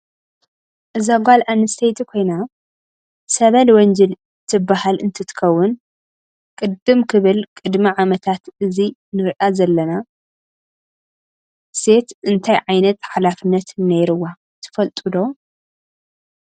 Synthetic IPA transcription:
ʔɨzaɡʷalʔanːɨst̪ʰejt̪ʰikʰo̞jna | sɐβɐlwɔnd͡ʒɐl | t̪ʰɨbːahalʔɨnt̪ʰɨt̪ʰɨ̥xɐwːʊn | kʼɨd̪ɨmkʰɨβɨlkʼɨd̪miʕamɐt̪ʰat̪ɨzinɨɾɨʔazɐlːɐna | se̞t̪ʔɨnt̪ʰajʕajnɐt̪ħalafɨnːɐt̪nejɾɨwa | t̪ʰɨ̥fɐlt̪ʼɨd̪o̞

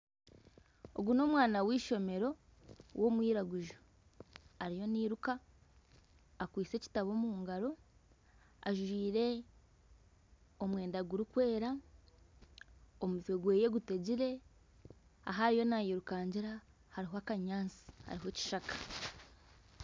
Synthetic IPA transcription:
o̞̰ɡuno̞ːmwaːnawiːʃo̞me̞ɾo̞ | wʔo̞mwiːɾaɡuʒo | aɾijo̞niːɾuka | kwiːt͡se̞ːci̥taβo̞muːŋɡaɾo̞ | aʒuʒiːɾe̞ | o̞mwe̞ːndaɡuɾukwe̞ːɾa | omuzweɡwe̞ːje̞ɡute̞ɟiɾe̞ | a̰ɦaɾijo̞najiɾukaːɲɟiɾa | haɾiɦoakaɲaːnsi̥ha̰ɾiɦo̞ci̥ʃakḁ

